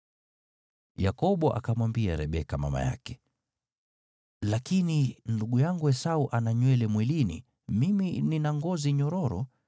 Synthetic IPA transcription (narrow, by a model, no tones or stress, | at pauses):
jakɔɓɔʔa̰kamwambia̰ɾɛɓɛkama̰ma̰ja̰kɛ̥ | lakininduɠujaŋɡuɛsauʔanaɲwɛlɛmwilinḭ | mimininaŋɡɔziɲɔɾɔɾɔ̰